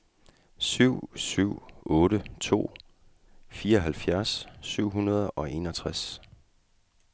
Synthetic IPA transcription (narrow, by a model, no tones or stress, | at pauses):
syʊ̰syʊ̰ɔ̽ːɾət͡sʰo̝̰ː | fiːɐɒɦælfjæɐsːyʊ̰ɦunɐð̞ˠɒ̽ʔe̝nɒ̽t͡sʰʁas